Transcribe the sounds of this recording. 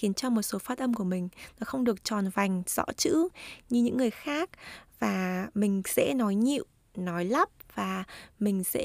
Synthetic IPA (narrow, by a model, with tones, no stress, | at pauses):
i˨˦nt͡ɕɔ˧mo˨˩t̚so˨˦faː˦˥t̚ʔə˧mku˧˩əmï˨˩ŋ̟nɔ˨˦xə˧wŋ͡mɗɨ˨˩ək̚t͡ɕɔ˨˩nva˨˩jŋ̟z̥ɔ̰˧˥t͡ɕɨ̰˧˥ɲɨ˧ɲɨ̰˧˥ŋːɨ˨˩əjxaː˦˥k̚vaː˨˩mï˨˩ŋ̟sɛ̰˧˥nɔ˨˦jɲḭ˧˨w | nɔ˨˦jla˦˥p̚vaː˨˩mï˨˩ŋ̟sɛ̰˧˥